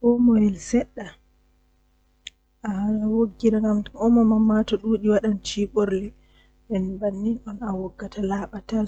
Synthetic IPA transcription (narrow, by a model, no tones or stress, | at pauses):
ʔɔmɔjɛlsɛɗːa | ʔaalawoɡːiɾaŋɡamɔmɔmamːatɔɗuːɗiwaɗant͡ʃiɓɔɾlɛ | ɓɛnbanːinɔnawɔɡːatʰalaːɓatal